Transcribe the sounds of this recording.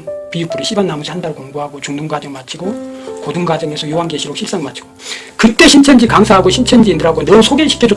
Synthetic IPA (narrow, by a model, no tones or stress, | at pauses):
npijuk̚p͈uɾɯɕʰibanːamud͡ʑʰihandaɾkoŋbuɦaɡot͡ɕuŋdɯŋɡwad͡ʑʌŋmat͡ɕʰiɡokodɯŋɡwad͡ʑʌŋe̞sʰʌjoɦanɡeɕʰiɾok̚ɕʰiɭs͈aŋmat͡ɕʰi̥ɡ̥o | kɯt͈e̞ɕʰint͡ɕʰend͡ʑikaŋsʰaɦaɡoɕʰint͡ɕʰend͡ʑiːndɯɾɦaɡonʌmusʰoɡeɕʰi̥kʰjed͡ʑo